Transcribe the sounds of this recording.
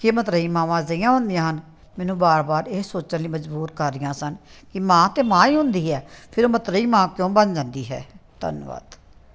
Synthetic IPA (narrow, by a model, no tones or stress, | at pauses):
keːmət̪ɾəiːmãːʋãːzəijãːɦʊ̃nd̪ɪjãːɦən | mɛːnũːbaːɾbaːɾeːsoːt͡ʃənliːməd͡ʒbuːɾkəɾːɪjãːsənkɪmãːt̪eːmãːiːɦʊ̃nd̪iːɦɛːpʰɪɾoːmət̪ɾəiːmãːkjõːbənd͡ʒãːnd̪iːɦɛ̰ːt̪ə̰nʋa̰ːd̪